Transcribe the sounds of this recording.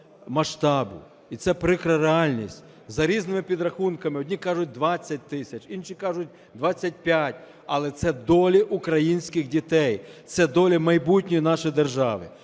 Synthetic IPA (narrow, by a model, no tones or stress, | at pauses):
mɐʃt̪ɑbʊ | it̪sɛpɾɪkɾɐɾeɑlʲnʲisʲtʲ | zɐɾʲiznɪmɪpʲid̪ɾɐxunkɐmɪɔdʲnʲikɑʒʊt̚ʲd̪ʋɑt͡sʲːɐt̚ʲt̪ɪsʲɐt͡ʃinʃikɑʒʊt̚ʲ | d̪ʋɑt͡sʲːɐt̚ʲpʲjatʲ | ɐlˠɛt̪sɛd̪ɔlʲiʔukɾɐjinʲsʲkɪxdʲit̪ɛjt̪sɛd̪ɔlʲimɐjbutʲnʲɔjinɑʃɔjd̪erʒɑʋɪ̰